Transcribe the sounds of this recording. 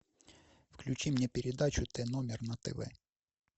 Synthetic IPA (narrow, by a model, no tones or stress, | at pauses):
fklʲʉt͡ɕimnʲɛpʲɪɾʲɪd̪at͡ɕʊt̪ɛnomʲɪrnɐt̪ɛ̰ʋɛ̰